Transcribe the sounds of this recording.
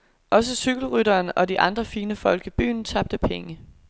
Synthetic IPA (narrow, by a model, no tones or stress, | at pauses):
ʔɒ̽s̬əsyɡ̥l̩ʁyɾɐːnɒ̽diʔɑ̈nd̥ʁɐfiːnəfɒ̽l̰ɡ̥əb̥y̰ːn̩t͡sʰɑ̈b̥̚d̥əpʰeŋə